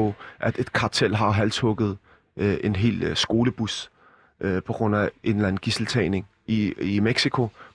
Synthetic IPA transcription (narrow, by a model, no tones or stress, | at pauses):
ɔʔæd̥e̝d̥kʰɑ̈t͡sʰel̰ɦɑ̈ɦælt͡sʰɔɡ̥ð̞̩ˠ | ʔʔe̝nɦe̝̰ːlsɡ̥o̝ːləb̥us | ʔpʰɒ̽ɡ̥ʁɔ̽n̰æʔe̝nlæn̩ɡ̥isl̩t͡sʰɛ̰ːne̝ŋ | iimeɡ̥sikʰo̝